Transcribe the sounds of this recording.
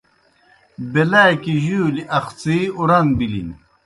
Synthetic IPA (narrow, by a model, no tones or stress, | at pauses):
belakiʑuːliʔɐxt͡siuɾɐnbilḭn